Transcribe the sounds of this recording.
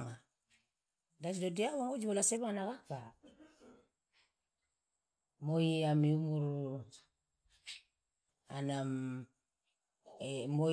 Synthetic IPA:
ŋa | dat͡ʃdodiawaŋud͡ʒubolasebaŋnakaka | mojiamiumuɾ | a̰nam | mo

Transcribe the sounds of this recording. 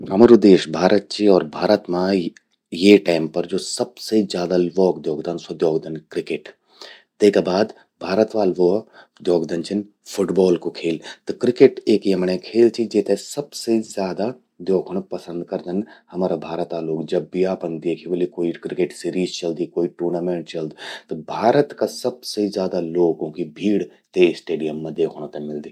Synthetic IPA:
ɦɐmaːɾod̪eːʃbʱaːɾət̪̚t͡ʃʰiɔːɾbʱaːɾət̪mã | jeʈaːɪmpɐɾd͡ʒoːsɐbsezjaːd̪aʋɔːkd̪joːɡd̪ɐnsɐd̪joːɡd̪ənkɾɪkeʈ | t̪ekabaːd̪ | bʱaːɾət̪ʋaːlʋo | d̪joːɡd̪ɐnt͡ʃʰin | fʰʊʈbɔːlkokʰeːlt̪ɐkɾɪkeʈeːkjɐmɳ̃ekʰeːlt͡ʃʰid͡ʒeːt̪esɐbsezjaːd̪a | d̪oːkʰɽ̃pɐsə̃nd̪kɐɾd̪ənhɐmaːɾabʱaːɾət̪aːloːɡd͡ʒɐbːiaːpənd̪eːkʰiʋəlikoːikɾɪkeʈsiːɾiːzt͡ʃɐld̪ikoːiʈuːɾnaːmẽːɳʈt͡ʃɐld̪t̪obʱaːɾət̪kasɐbsezjaːd̪aloːɡõkibʱiːɽt̪esʈeːɖijəmːẽd̪eːkʰoɽ̃at̪ɐmɪld̪iː

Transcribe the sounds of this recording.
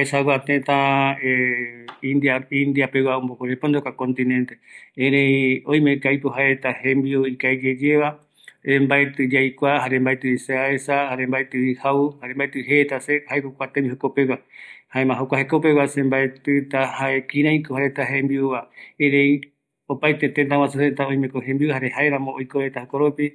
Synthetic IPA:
haesawat̪ẽt̪ae | id̪ĩnd̪iapewaombokoɾepond̪okakõnt̪ĩnẽnt̪eeɾeioĩmẽkajpoɦaɾet̪ahẽmbiuikaed͡ʒed͡ʒeβa | ɾembaet̪ɨd͡ʒajkʷahaɾẽmbaet̪ɨiseaesahaɾembaet̪ɨihauhaɾembaet̪ɨɦet̪asehaekokʷat̪embihokopewahaemãɦokʷahekopewasembaet̪ɨt̪ahaekĩɾãikohaɾet̪aɦẽmbiuβaeɾej | opajt̪e̞t̪ent̪̬awasusent̪aõj̃mẽkoɦẽmbiuhaɾehaeɾãmõojkoɾet̪ahokoɾopi

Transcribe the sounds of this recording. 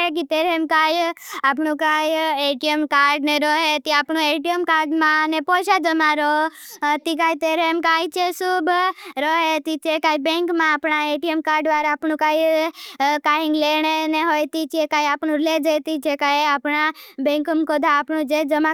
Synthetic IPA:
ek̬it̪eɾeemkajapɳũkajeʈiemkaːɾɖneɾɔɦet̪iapɳũeʈijemkaɾɖmãnepoʃad͡ʒəmãɾɔ | t̪ik̬ajt̪eɾeemkait͡ʃʰesubɾɔɦet̪it͡ʃʰekaibẽŋkmãːpɳaeʈiemkaːɾɖʋaɾaːpɳũkaːj | kaĩŋɡleɳeneɦojt̪it͡ʃʰiekaːjapɳ̃ũled͡ʒət̪it͡ʃʰekajapɳabẽŋkmkod̪ʱaːpɳũd͡ʒed͡ʒəmã

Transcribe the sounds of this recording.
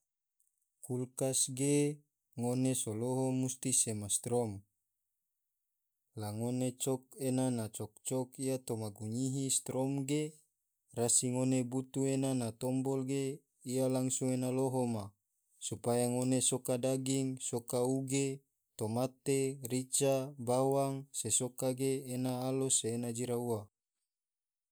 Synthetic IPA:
kulkasɡe | ŋonesoloɦomust̪isemast̪ɾɔm | laŋonet͡ʃɔkenanat͡ʃɔk̚t͡ʃɔkijat̪omaɡuɲiɦist̪ɾɔmɡe | rasiŋonebut̪uenanat̪ɔmbɔlɡe | ijalaŋsuŋenaloɦoma | supajaŋonesokadaɡiŋsokauɡe | t̪omat̪erit͡ʃabawaŋsesokaɡeːnaːloseːnad͡ʒiɾaua

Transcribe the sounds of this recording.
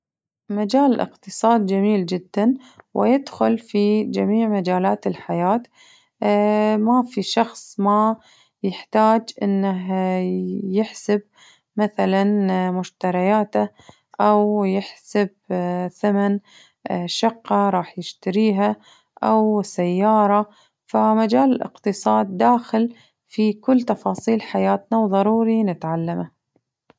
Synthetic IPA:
mad͡ʒaːllʔɪ̰qt̪ɨsˤɑːd̪̚d͡ʒamiːld͡ʒɪd̪ːan | wʔɪ̰jɪd̪xʊlfid͡ʒamiːʕmad͡ʒaːlaːt̪ɪlħajaːt̪ | mafiʃɑxsˤma | jɪħt̪aːd͡ʒʔɪnːaɦ | jɪħsɪb | maθalanmʊʃt̪aɾˤɑjaːt̪a | ʔawjɪħsab̚θaman | ʃɑqːɑɾˤɑːħjɪʃt̪aɾiːɦa | ʔawsajːɑːɾˤɑ | famad͡ʒaːlɪlʔɪ̰qt̪ɨsˤɑːd̪ːaːxɪl | fikʊlːt̪ɑfɑːsˤiːlħajaːt̪nawðˤɑɾˤuːɾinɪt̪ʕalːama

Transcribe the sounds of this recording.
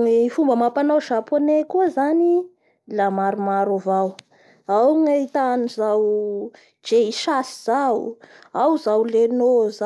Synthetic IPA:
ifumbəmapanawʃaponekuəzani | lamaɾumaɾovaw | awŋait̪anizaw | d͡ʒeiʃasiz̥aw | awzawlenoza

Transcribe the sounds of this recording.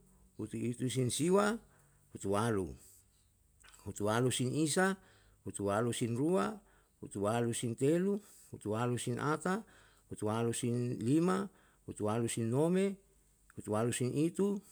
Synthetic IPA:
hut̪uit̪us̬insiwa | hut̪uwalṵ | hut̪ualusinisa | hut̪uwalusinrua | hut̪uwalusint̪elu | hut̪ualusinʔat̪a | hut̪ualusinlima | hut̪ualusinːome | hut̪ualusinit̪u

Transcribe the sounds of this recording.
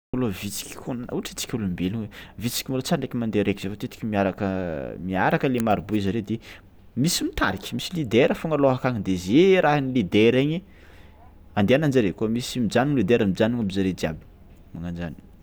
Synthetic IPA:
malovit͡si̥kʲi̥kʰonanauʈ͡ʂi̥t͡si̥kʲulumbeluɲwevit͡si̥kʲimalot͡saɾaɳɖ͡ʐekimand̪eɾekiz̥efot̪et̪i̥kʲimiaɾakəmiaɾakəlemaɾibuizaɾed̪e | misimit̪a̰ɾikʲmisilid̪eɾəfoŋəloɦakaɲid̪ezeɾʔaɦinilid̪eɾeɲi | and̪eanand͡ʒaɾekumisimid͡ʒaninlid̪eɾəmid͡ʒaniɲabizaɾed͡ʒia̰bi | maŋand͡ʒa̰ni

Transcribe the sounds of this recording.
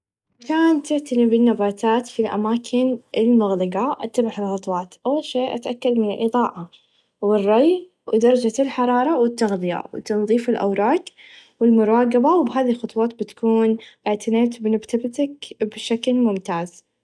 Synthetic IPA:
wɪkaːnt̪ɪʕt̪alɪbɪnːabaːt̪aːt̪filʔa̰maːkʰɪnʔɪlmʊɣlɪɡaʔat̪ːabɪħɪlxɑt̪ˤwɑːt̪ʔawʃeːʔat̪ʔakːad̪mɪnɪlʔɨðˤɑːʔɑ | wɪrˤːɑj | wd̪ɑɾˤɑd͡ʒalħɑɾˤɑːɾˤɑwɪt̪ːaɣd̪ɪja̰wt̪ɑnðˤiːfɪlʔa̰wɾˤɑːɡwɪlmʊɾˤɑːɡɪbawbɦaːðilxʊt̪ˤwɑːt̪bɪt̪ḁkuːnʔɪʕt̪ʰɪneːt̪bnabt̪abɪt̪akbʃaklmʊmt̪aːz

